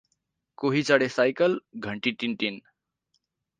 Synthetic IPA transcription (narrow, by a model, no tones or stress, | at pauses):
koɦit͡sʌɽesajkəlɡʱəɳʈiʈinʈin